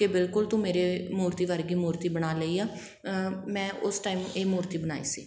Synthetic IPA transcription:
kebɪlkʊlt̪ũːmeːɾeːmoːɾt̪iːʋəɾɡiːmoːɾt̪iːbənaːləiːaː | mɛ̃ːʔʊsʈaːiːmeːmoːɾt̪iːbəna̰ːḭːsḭː

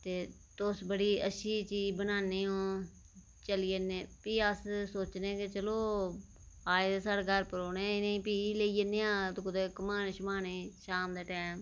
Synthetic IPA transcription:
t̪eː | t̪ʊsbəɽiːəʃʰiːt͡ʃiːd͡ʒbənaːniːõː | t͡ʃəliːeneːpiːəssoːt͡ʃnẽːket͡ʃəloː | aːd̪eːsaːɽɡəɾpəɾoːnẽːɪnẽpiːleːiːeneːãːt̪ːkʊd̪eːkəmaːneːʃəmaːneːʃaːmd̪eːʈɛːm

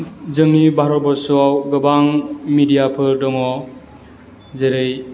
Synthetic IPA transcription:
zɯŋnibaɾɔbɔsuawɡɯbaŋmidijapʰɯdɔŋɔ | zeɾɯj

